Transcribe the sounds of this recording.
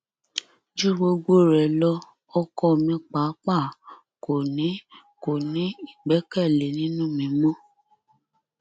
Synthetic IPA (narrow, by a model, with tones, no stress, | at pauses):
d͡ʒu˦ɡ͡bo˧ɡ͡bo˦ɾɛ˨lɔ˧ | ɔ˦kɔ˦˨mĩ˨˦k͡pa˨˦k͡pa˦˨ | ko˨nĩ˨˦ | ko˨nĩ˨˦i˦˨ɡ͡bɛ˨˦kɛ˦˨le˨˦nĩ˦nũ˦mĩ˨˧˦mɔ̃˦